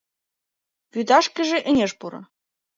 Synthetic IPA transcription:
βyd̪ɑʃkɘ̆ʒĕʔɘ̆nʲeʃpuɾɤ̰̆

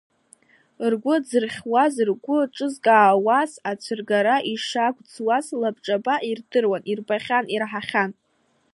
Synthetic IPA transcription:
rɡʷʊd͡zɨrχʲwazɨrɡʷʊʈ͡ʂʼɨzkʼaːwasat͡ʃʷʰɨrɡaɾaʔiʂaɡʷʼd͡zwazlabʈ͡ʂʼabaʔirdɨrwanʔirbaχʲanirħaχʲan

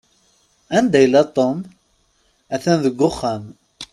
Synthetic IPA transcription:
ænd̪æjlːæt̪ˤom | æθænðəɡʷːʊχːam

